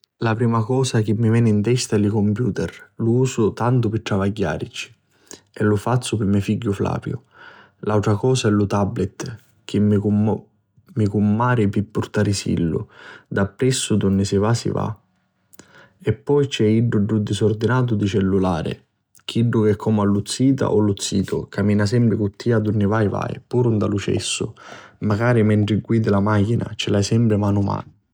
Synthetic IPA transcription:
lapɾiːmakɔːsak̟ɪmːivɛːnɪint̪ɛst̪aɛlikɔmpjuːt̪ɛrluuːsʊt̪ant̪ʊpɪʈ̪ːɾavaɟːa̰ːɾit͡ʃi̥ | ɛlʊfat̪sːʊpɪmːɛfiɟːʊfla̰ːpjʊ̰ | lawt̪ɾakɔːsaɛlʊt̪ablɛt̪ | k̟ʰɪm | mikumːaːɾɪpɪpːuɾt̪aɾɪsḭlːʊ̰d̪apːɾɛsːʊd̪unːɪsɪvaːsḭva̰ | ɛpːɔjt͡ʃɛiɖːuɖːud̪isɔɾd̪inaːt̪̬ʊd̪it͡ʃɛlːulaːɾɪ̰ | k̟ʰiɖːʊkɛkʰːɔːmalːut̪sːiːt̪̬a̰ʔɔlut̪sːiːt̪ʊ̰kamiːnas̬ɛmpɾɪkut̪ʰːiːad̪unːɪvajva̰ːj̰puːɾund̪alut͡ʃɛ̰sːʊ̰maɡaːɾimɛɳt̪ɾɪɡwiːd̪ɪlamaːkina̰t͡ʃɪlajsɛmpɾɪmaːnʊma̰ːn

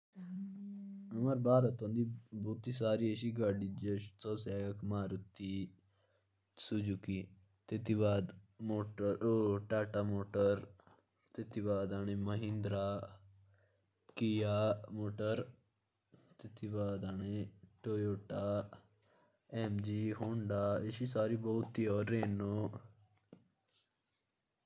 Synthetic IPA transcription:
ɐmaɾbaːɾət̪õːnd̪iboːt̪is̬aːɾiəʃiɡaɖid͡ʒəʃt̪ɔsjaːjɐkmaːɾut̪ːi | sud͡ʒuki | t̪et̪ibaːd̪moːʈəɾʈaːʈamoːʈəɾ | t̪et̪ibaːd̪aɽ̃emɐɦĩnd̪ɾa | kijaːmoːʈəɾ | t̪ɪt̪ibaːd̪aːneʈoːjoːʈaː | ɛːmd͡ʒiɦoːɳɖaːɪsisaːɾiːbɔːʊt̪ːiːɔːɾːeːnoː

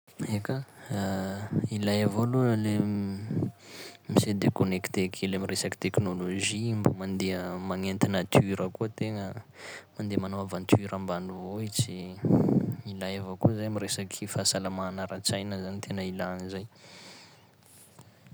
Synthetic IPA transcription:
eka | ilajavolule | mised̪ekonekt̪ekʰeleamiresaki̥t̪eknoloʒimbəmand̪eəmaŋent̪inat̪ʰiɾəkot̪eŋəmand̪emanoavant̪iɾambanuvoit͡si | ilajavokozajamiɾesakʰifasalamanaɾat͡sajnəzanit̪ʰenəilanizaj

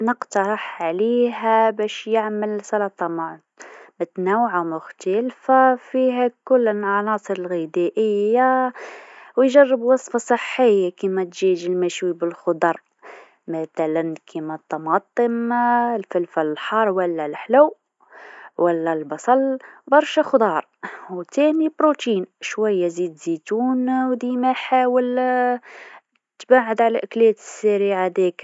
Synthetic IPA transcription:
nəqt̪ɑɾˤəħʕliɦæbæʃjəʕməlsɑlɑt̪ˤɑma | mət̪næwʕamʊxt̪ælfafiɦækʊlːənʕɑnɑsˤəɾəlɣid̪æʔəjːa | wjʒærːəbwɑsˤfɑsˤəħːəjːakimæt̪ʒiʒəlmæʃwibəlxʊd̪ɑɾˤ | mæθælənkʰimæt̪ˤːɑmɑt̪ˤəmlfəlfæləlħɑɾˤwəlːælħlæw | wʔəlːælbɑsˤɑlbɑɾˤʃaxd̪ɑɾˤwt̪æmibɾot̪inʃwæjːæzid̪zit̪unwd̪imæħawəl | t̪baʕəd̪ʕalæʔəklijæt̪ə̥sːæɾiʕad̪ik

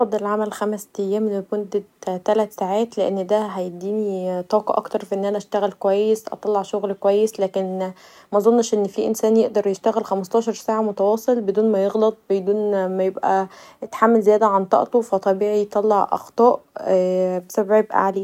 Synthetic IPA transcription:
ɑfɑd̪ˤːɑlʕamælxæmst̪æjːæːmnemond̪ed̪t̪ælæt̪saːʕaːt̪leʔenːd̪æɦæjeb̚d̪iːnit̪ˤɑːkɑʔɑ̰kt̪ɑɾˤfiʔenːʔænæʔæʃt̪æɣælkowæjːesʔɑ̰t̪ˤɑlːɑʕʃoɣlkowæjːeslæːken | mæzˤonːɑʃʔenːfiʔensæːnjeʔd̪ɑɾˤjeʃt̪æɣælxæmɑst̪ˤɑːʃɑɾˤsaːʕamot̪æwɑːsˤelbed̪uːnmæjeɣlɑt̪̚ˤbed̪uːnmæjebʔæet̪ħamːælzejæːd̪æʕant̪ˤɑ̰ʔt̪ofæt̪ˤɑbiːʕijt̪ˤɑlːɑʕʔɑ̰xt̪ˤɑːʔ | besæbʕjebʔæ̰ʕaleː

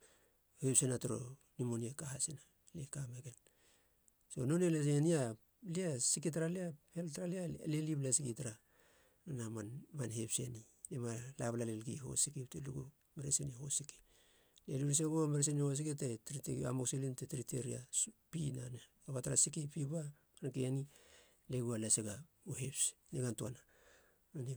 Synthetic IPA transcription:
hepsenatoɾo̞̰nimoniekahasina | lekameɡe̞n | so̞̰no̞nelesenia | liasikit̬aɾaliaheltaɾalialeliblasikitaɾa | nanamanmanhepseni | nemalaβlalelɡiɦo̞̰sikipteluɡu | meɾeseniho̞̰siki̥ | leliɾis̬eɡomeɾes̬enihos̬iketetɾitea̰moksilintetɾiteɾia̰spinana | aβataɾasikipiba | ankeani | leɡualaseɡa | ohe̞psneɡantuana | nani

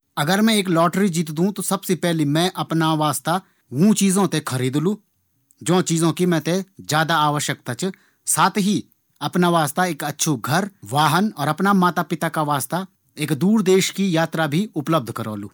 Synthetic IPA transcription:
ɐɡəɾmɛ̃eːklɔːʈɾid͡ʒiːt̪̬d̪ũt̪osɐbsepɛɦlimɛ̃ʔɐpnaʋaːst̪a | ʋũt͡ʃiːzõt̪ekʰəɾiːd̪lũ | d͡ʒõːt͡ʃiːzõkimɛ̃t̪ed͡ʒjaːd̪aaːʋəʃjək̚t̪at͡ʃ | saːt̪ʰɦi | ɐpnaʋaːst̪aeːkɐtːʃʰoɡʱəɾʋaːɦənɔːɾɐpnamaːt̪apɪt̪akaʋaːst̪a | eːkd̪uːɾd̪eːʃkijaːt̪ɾabʱiʊpləb̚d̪ʱkəɾo̰ːlṵː

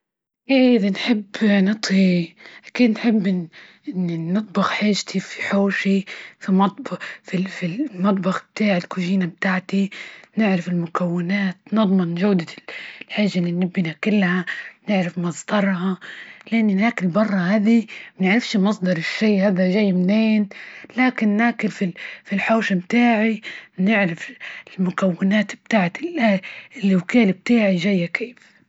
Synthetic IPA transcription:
ʔiːʔɪðanħɪbːnɨt̪ˤhiʔakiːd̪nħɪbːʔɪʔɪnːinɨt̪̚ˤbɑxħaːʒt̪ʰifi̥ħoːʃifimɑt̪̚ˤbfifilmɑt̪̬ˤbɑxb̚t̪aːʕɪlkʊʒiːnab̚t̪aːʕt̪inɪʕɾɪfɪlmʊkawːɪnaːt̪nɨd̪ˤmɪnʒawd̪alħaːʒːalːinːɪbːinakɪlːhanɪʕɾɪfmɑzˤd̪ɑɾˤɦɑlʔanːinaːkɪlbɑrˤːɑhaːd̪imɪnɪʕɾɪfʃimɑsˤd̪ɑɾˤɪʃːiːhaːd̪aʒajːmneːnlaːkɪnːaːkɪlfifilħoːʃamt̪aːʕinɪʕɾaflmʊkawːɪnaːt̪b̥̚t̪aːʕt̪ilʔaɪlːwkaːlb̚t̪aːʕiʒajːakʰeːf

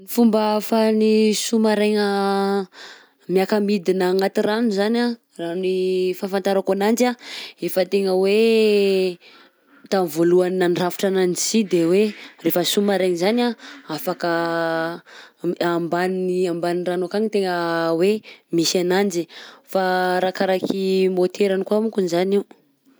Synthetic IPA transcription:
nifumbafanisumaɾeŋə | miakamid̪inaːŋat̪iranuzana | ranifanfant̪aɾakanand͡ʒaefət̪eŋəwe | t̪anvoluanːanrafi̥ʈ͡ʂanansid̪ewerefəsumaɾeɲizanaafakə | ambanniambaninranokaŋit̪eŋəwemisanand͡ʒifaɾakaɾakimot̪ʰeɾanikuamukunizane

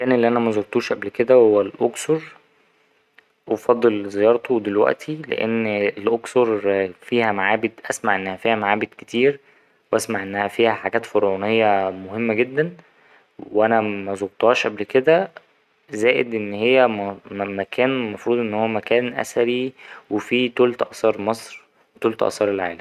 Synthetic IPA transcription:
kæːnelːiʔænæmæzoɾt̪ˤuːʃʔæblked̪æwhowːælʔoksoɾˤ | wfɑd̪ˤːelzejɑːɾˤt̪ʰowd̪elwæ̰ʔt̪ʰilḛʔḛnːelʔoksoɾˤfiːhæmaʕaːbed̪ʔæsmaʕʔenːæhæfiːhæmaʕaːbed̪ke̥t̪ʰiːɾ | wʔæsmaʕʔenːæhæfiːhæħaɡæːt̪foɾʕunejːɑmohemːæɡed̪ːæn | wweʔænæmæzoɣt̪ˤɑːʃʔæblked̪æ | zæːʔed̪ʔenːhejːæmækʰæːnmɑfɾuːd̪ˤʔenːhowːæmækæːnʔæ̰sæɾiwefiːt̪uːlt̪ʔɑsɑːɾˤmɑsˤɾ | t̪uːlt̪ʔɑ̰sˤɑːɾˤelʕa̰ːlæm

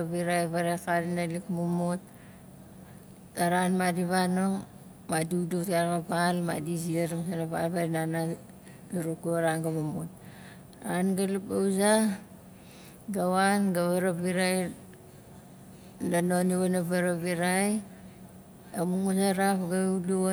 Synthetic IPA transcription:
aβiɾajβaɾekaɾinalikmumot | aɾanmadiβanoŋ | madudutaɾkabalma̰disieɾamsanaβa̰lβaɾinana | duɾokuɾaŋɡamumot̚ | anɡalipauza | ɡawanɡaβaɾabiɾaj | danoniβanabaɾaβiɾaj | amuŋusaɾapɡaidu

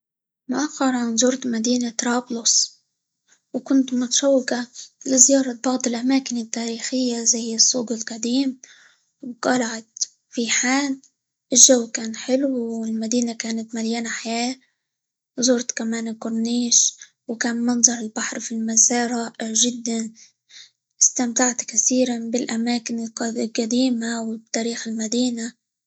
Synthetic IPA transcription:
mʊʔaxːɑɾˤʕanzʊɾt̪mad̪iːnat̪ɾˤɑːblʊs | wkʊnt̪mʊt̪ḁʃawːɪkalɪzɪjɑːɾˤɑbɑʕd̪ˤɪlʔamaːkɪnɪt̪ːaːɾiːxɪjːazajɪsˤːuːɡɪlqad̪iːm | wqɑlaʕat̪ | fiħaːn | ʔɪʒːawːkaːnħɪlwɪlmad̪iːnakaːnat̪maljaːnaħajaː | zʊɾt̪kamaːnkʊɾˤniːʃ | wkaːnmɑnðˤɑɾˤɪlbaħɾˤfilmasɑːɾˤaʒɪd̪ːan | ʔɪst̪amt̪aʕt̪kaθiːɾanbɪlʔamaːkɪnɪlqad̪iːmawɪt̪ːaːɾiːxɪlmad̪iːna

